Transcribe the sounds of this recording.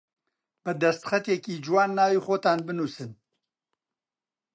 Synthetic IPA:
b̥ɛd̪ɐst̪xɐt̪jekiːd͡ʒwaːnːaːwiːxoːt̪aːnbɨnuːsɨn

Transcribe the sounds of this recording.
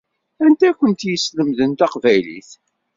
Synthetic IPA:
ænt̪ækːənt̪jəsləmðənt̪æqvæjlḭθ

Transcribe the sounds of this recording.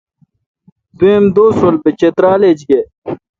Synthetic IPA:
t̪uẽmd̪oːsolbet͡ɕet̪ɾaːleːd͡ʑɡe

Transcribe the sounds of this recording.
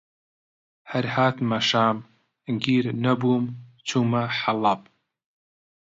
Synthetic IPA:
hɐɾhaːt̪mɐʃaːm | ɡiːɾnɐbuːmt͡ʃʰumɐħalɐb̚

